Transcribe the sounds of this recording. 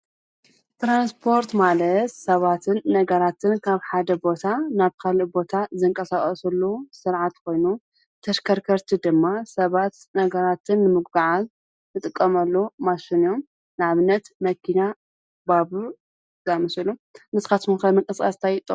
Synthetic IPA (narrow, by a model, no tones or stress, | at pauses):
t̪ɾanspʰo̞ɾt̪malɐt̪sɐβat̪ʰɨnːɐɡɐɾat̪ʰɨnkʰaβħad̪ɐbo̞t̪ʰanaβkʰalibo̞t̪ʰazɨŋkʼɐsaχʼɐsɐlːosɨɾʕat̪kʰo̞jnu | t̪ʰɐʃkʰɐɾkʰɐɾt̪ʰid̪ɨmːasɐβat̪ | nɐɡɐɾat̪ʰɨnːɨmɨɡ̚baʕaz | nɨt̪ʼɨkʼːɐmɐlːomaʃinom | nɨʕaβɨnːɐt̪mɐkʰina | babu | zamɐsɨlunɨzkat̪munkɐmɐŋkʼɐsʼa̰st̪ʰajɪt̪ʼɨ